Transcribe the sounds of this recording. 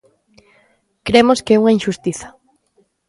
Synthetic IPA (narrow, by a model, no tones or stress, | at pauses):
kɾemoskɛuŋaĩʃust̪iθɐ̥